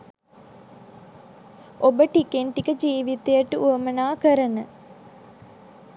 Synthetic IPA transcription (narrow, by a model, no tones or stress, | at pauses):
obəʈikeɳʈikəd͡ʒiːʋit̪ejəʈəuəmənaːkəɾənə